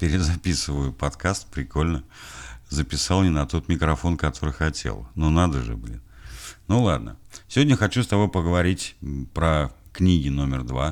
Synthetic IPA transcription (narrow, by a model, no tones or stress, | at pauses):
pʲɪɾʲɪzɐpʲisɨvəjʊpɐt̪kast̪pɾʲɪkolʲnə | zəpʲɪsɑlˠnʲɪnɐt̪o̞t̪mʲɪkɾɐfo̞nkɐt̪ʰo̞ɾɨjxɐtʲʰḛlˠnunad̪əʐɨ̰blʲḭnnulˠad̪nə̰sʲɪvʲodʲnʲəxɐt͡ɕust̪ɐbo̞jpəɡəvɐɾʲitʲpɾə | knʲiɡʲɪno̞mʲɪrd̪va